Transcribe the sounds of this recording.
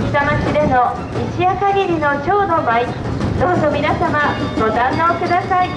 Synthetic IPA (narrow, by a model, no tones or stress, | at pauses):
it̪amat͡ɕid̪e̞no̞ | iɕiakaɡʲiɾʲino̞t͡ɕo̞ːd̪o̞mai | d̪o̞ːzo̞mʲinasamaɡo̞d̪ãnːoːkɯ̟d̪asai